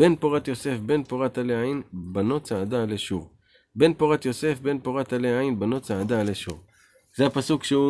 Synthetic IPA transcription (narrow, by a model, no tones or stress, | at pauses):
b̥e̞npoʁat̪jo̞se̞fbe̞npoʁat̪aleainbano̞t͡saːd̪aleʃuʁ | be̞npoʁat̪jo̞se̞fbe̞npoʁat̪aleainbano̞t͡saːd̪aleʃṵʁ | z̥eapasukʃeu